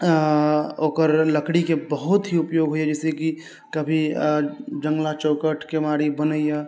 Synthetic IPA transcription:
oːkəɾləkɽikebəɦʊt̪ɦiʊpjoːɡɦoiɛd͡ʒɛseki | kəbʱi | d͡ʒə̃ŋɡlat͡ʃoːkəʈkemaːɽibənəijɛ

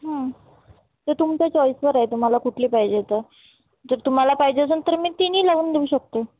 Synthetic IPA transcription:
ɦə̃ | t̪et̪umt͡ɕat͡ɕɔisʋəɾaɦet̪um̤alakuʈʰliːpaɦid͡ʑet̪əɾ | d͡zəɾt̪um̤alapaɦid͡ʑesənt̪əɾmiːt̪iniːlaʋuːnd̪euːɕək̚t̪o

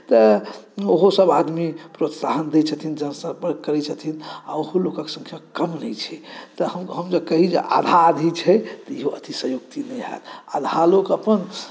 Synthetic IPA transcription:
t̪əoɦosəbad̪mipɾot̪saɦənd̪ɛt͡ʃʰət̪ʰind͡ʒənsəpəɾkəɾɛt͡ʃʰət̪ʰina̰oɦolokəksə̃ŋkʰjakəmnəjt͡ʃʰɛt̪əhəɦəmd͡ʒəkəɦid͡ʒḛʔa̰d̪ʱad̪ʱit͡ʃʰɛt̪əiɦoʔət̪isəɦjoɡ̚t̪inəjɦɛ̰la̰d̪ʱalokəpən

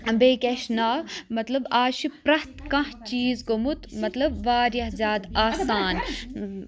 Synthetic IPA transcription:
ɐmbeːkʲeʃnaːmɐt̪lɐbaːʃipɾɐht̪kɐ̃ht͡ʃiːzɡomut̪mɐt̪lɐbʋaːɾjɐhzʲjaːd̪aːst̪aːn

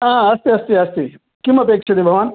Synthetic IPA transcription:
ãɐst̪iɐst̪iɐst̪i | kimɐpeːkʃɐd̪ibʱɐʋaːn

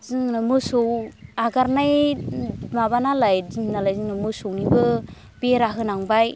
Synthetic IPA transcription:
zɯŋnamɯsowaɡaɾnaj | maβanalajziŋnalajzɯŋnamɯsownibɯ | beɾaɦɯnaŋbaj

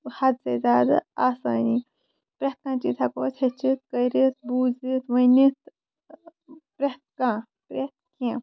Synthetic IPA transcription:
hɐt̪sezaːd̪a̰aːsaːni | pɾɐt̪̚kãːt͡ʃiːt̪ʰɐkoːtʰɐt͡ʃit̪̚kəjɾit̪̚buːd͡zit̪ʋɐnit̪ | pɾɐt̪̚kã | pɾet̪̚kʰẽ

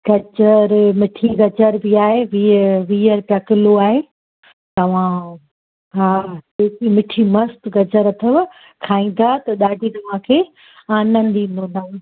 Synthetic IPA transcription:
ɡɐd͡ʑəɾmɪʈʰiɡɐd͡ʑəɾbiaːɦeʋiʋiːəɾpɐkɪloaːɦeː | t̪ɐʋ̤ã | ɦaːekimɪʈʰimɐst̪ɡɐd͡ʑəɾɐt̪ʰəb | kʰaːĩːn̆d̪aːt̪ɐɗaːɖʱit̪ɐʋ̤ãkʰeː | aːnən̆d̪ĩːnd̪õnd̪aː

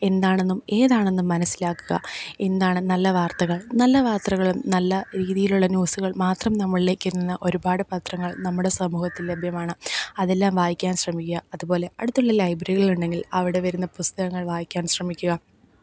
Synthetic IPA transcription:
e̞nd̪aːɳe̞nːume̞ːðaːɳe̞nːumːɐnɐsːilaːkːuɣɐ̰e̞nd̪aːɳɨnɐlːɐʋaːrt̪ɐɣɐɭnɐlːɐʋaːrt̪rɐɣɐɭumnɐlːɐɾiːðijiluɭːɐnjuːsuɣɐɭmaːt̪rɐmnɐmːɐɭileːkʲːiɾunːunːɐʔo̞ɾubaːɽɨpɐt̪rɐŋːɐɭnɐmːuɽe̞sɐmuːhɐt̪ːillebʱjɐmaːɳɨɐðe̞lːaːmʋaːjikʲːaːnɕrɐmikʲːuɣɐɐðubo̞ːle̞ɐɽut̪ːuɭːɐlɐjbɐɾiɣɐɭuɳɖe̞ŋɡilɐʋiɽe̞ʋɐɾunːɐpust̪ɐɣɐŋːɐɭʋaːjikʲːaːnɕrɐmikʲːuɣɐ

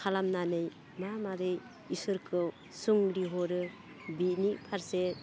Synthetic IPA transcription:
kʰalamnanɯj | mamaɾɯj | isɯɾkʰɯw | suŋɾiɦɔɾɯ | bitnipʰaɾset̚

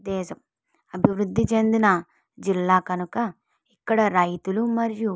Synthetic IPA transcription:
d̪ɛːsɐm | ɐbʱiʋɾud̪ʱːit͡ʃɐnd̪inɐ | d͡ʒilːaːkɐnukɐ | ikːɐɽɐɾɐjt̪ulumɐɾju

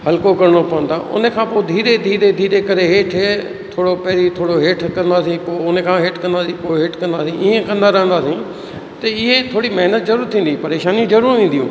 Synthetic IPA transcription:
ɦɐlkokɐɾɽ̃opɐʋə̃nd̪ʰaːʔʊ̰nəkʰãːpoːd̪ʱiːɾed̪ʱiːɾed̪ʱiːɾekɐɾeɦeːʈʰ | t̪ʰoːɽopɛːɾit̪ʰoːɽoɦeːʈʰkɐ̃nd̪aːsĩpoːʊnekʰãɦeːʈkɐ̃nd̪aːsĩpoːɦeːʈkɐ̃nd̪aːsĩʔiːẽkɐ̃nd̪aɾɐɦənd̪aːsĩː | t̪ɐɪɦet̪ʰoːɽimɐɦnət̪̚zɐɾuːɾt̪ʰĩːn̆d̪ipɐɾeːʃaːnijũzɐɾuːɾʋĩːn̆d̪ijṵ̃ː

